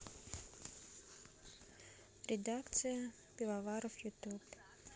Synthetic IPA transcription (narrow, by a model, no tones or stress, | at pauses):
ɾʲɪd̪akt̪sɨjə | pʲɪlˠavaɾəfjʊt̪up